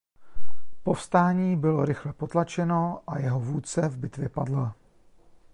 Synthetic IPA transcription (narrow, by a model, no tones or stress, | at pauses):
po̞fst̪aːɲiːbɪlo̞ɾɪxlɛpo̞t̪lat͡ʃɛno̞ʔajɛɦo̞vuːt͡sɛvbɪt̪vjɛpadla